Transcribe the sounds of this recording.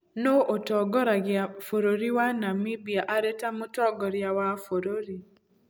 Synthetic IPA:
noʔotɔɡɔɾaɡɪafoɾoɾiwanamibiaʔaɾetamutɔɡɔɾjawafoɾoɾi

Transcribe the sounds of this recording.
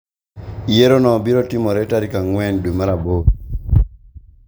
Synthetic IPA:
ijeɾonɔbiɾɔtimɔɾɛtaɾikaŋwɛndumaɾabo

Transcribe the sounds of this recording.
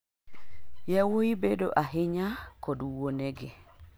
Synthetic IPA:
jawoibedo̰ʔaɦɪɲakɔdwoneɡɪ̰

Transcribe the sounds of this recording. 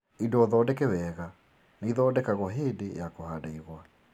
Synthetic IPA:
indɔðɔːdɛkɛwɛɣa | naiðɔːdɛkaɣɔɦedejakohadaiɣwa

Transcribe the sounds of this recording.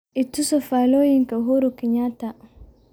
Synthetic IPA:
itusɔfalojiŋkaɦuɾukiɲata

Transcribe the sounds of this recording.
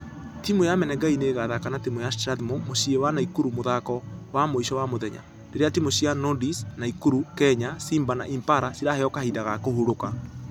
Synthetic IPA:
timojamɛnɛɡaineːɣaðakanatimojastɾaðmomoʃiewanaikuɾumoðakɔwamoiʃɔwamoðɛɲa̰ | ndeɾeatimoɕianɔdisnaikuɾukɛɲasimbana̰ʔimpaɾasiɾaheɔkahidaɣakohuɾoka

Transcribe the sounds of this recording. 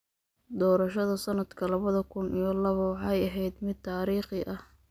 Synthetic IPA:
d̪ɔːɾɐʃɐðɐsɐnɐd̪kʰɐlɐβɐðɐkʰʊnʔijɔlɐβɐwɑħɑjɐɦɛjd̪mɪd̪̚t̪ʰaːɾiːχɪʔɐh

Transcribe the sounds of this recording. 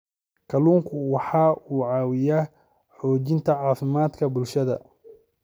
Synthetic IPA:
kʰɐluːŋkʰʊwɑħɑːuːʕɑːwɪjaː | ħɔːt͡ʃɪnt̪ʰɐʕɑːfɪmaːd̪kʰɐbʊlʃɐðɐ̰

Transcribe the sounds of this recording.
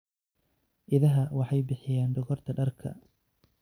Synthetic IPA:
ʔɪðɐɦɐwɑħɑjbɪħɪjaːnɖɔɣɔrt̪ʰɐɖɐrkʰɐ̰

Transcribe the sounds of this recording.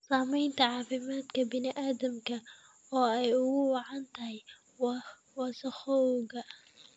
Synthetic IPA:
saːmɛjnt̪ʰɐʕɑːfɪmaːd̪kʰɐbɪnɪʔaːd̪ɐmkʰɐ | ɔːɛjʊɣʊwɑʕɑnt̪ʰɐɦɛj | wɑ | wɑːsɐxɔwɣɐ

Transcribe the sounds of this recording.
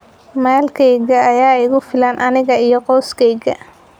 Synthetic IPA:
maːlkʰɛjɣɐːjaːɪɣʊfɪlanʔɐnɪɣɐijɞqɔːskʰɛjɣɐ̰

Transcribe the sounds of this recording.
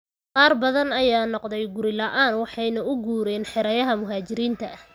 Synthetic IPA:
qɑːrbɐðɐnɐjaːnɔqðɛjɡʊɾɪlɐʔaːnwɑħɑjnɐʔʊɡuːɾɛːnħɪɾɐjɐɦɐmʊɦaːt͡ʃɪɾiːnt̪ʰɐʔɐh

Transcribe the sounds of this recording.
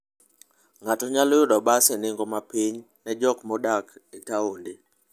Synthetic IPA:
ŋatoɲaljʊdɔbaseneŋɡomapiɲ | nɛd͡ʒɔkmɔdaketaonde

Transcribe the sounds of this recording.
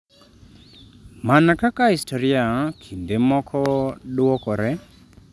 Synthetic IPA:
manakakahistɔɾɪakʰindemɔkʰɔdwɔkɔɾɛ

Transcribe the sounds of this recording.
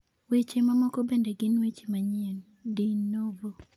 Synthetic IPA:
wet͡ʃemamɔkobendeɡɪnwet͡ʃemaɲen | dinːobo

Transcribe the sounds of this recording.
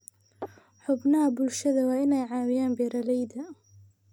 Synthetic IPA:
ħʊbnɐɦɐbʊlʃɐðɐwɑːɪnɛjʕɑːwɪjaːnbɛːɾɐlɛjdɐ

